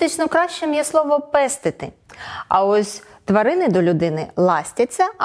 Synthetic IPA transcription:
ɪt͡ʃnɔkɾɑʃt͡ʃɛmjɛslˠɔʋɔpɛst̪ɪt̪ɪɐ̰ɔsʲ | t̪ʋɐɾɪnɪd̪ɔlʲʊd̪ɪnɪlˠɑsʲtʲɐt͡sʲːɐ

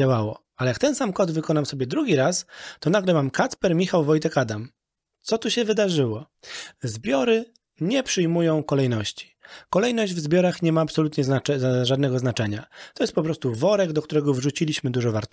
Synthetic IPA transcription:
awawɔ | alɛjakt̪ɛnsamkɔd̪vɘkɔnamsɔbʲjɛd̪ɾuɡʲiɾast̪ɔnaɡlɛmamkat̪spɛɾmʲixawvɔjt̪ɛkad̪am | t̪sɔt̪uɕɛvɘd̪aʐɘwɔ | zbʲjɔɾɘ | ɲɛpʂɘjmujɔ̃w̃kɔlɛjnɔɕt͡ɕi̥kɔlɛjnɔʑd͡ʑvzbʲjɔɾaxɲɛmaːpsɔlut̪ɲɛzaɛʐad̪nɛɡɔznat͡ʂɛɲat̪ɔjɛst̪̚pɔpɾɔst̪uvɔɾɛɡd̪ɔk̚t̪uɾɛɡɔvʐut͡ɕilʲiɕmɘd̪uʐɔva̰ɾt̪

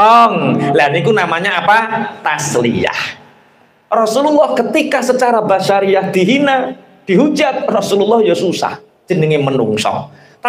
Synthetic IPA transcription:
ɔŋlanikunamaɲaapat̪aslḭa̰h | rɔsululːɔhkət̪ikasət͡ʃaɾabaʃaɾiahd̪̥i̤ɦina | d̪̥i̤ɦu̥d͡ʒat̪̚rɔsululːɔhjɔsusa̰h | d̥ʒ̥ənəŋimənṵŋsɔ̰ŋ | t̪

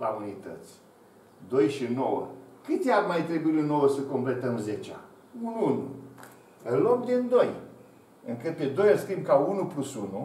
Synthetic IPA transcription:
a̰unit̪ət̪sʲ | d̪o̞jʃino̞wə̰kɨt̪ʲearmajt̪ɾebuilinːo̞wəsəko̞mple̞t̪əmzet͡ʃa̰ | unuunṵ | ɨnlok̚d̪ind̪o̞j | ɨŋkɨt̪̚ped̪o̞jaskɾimbkaunuplusunu

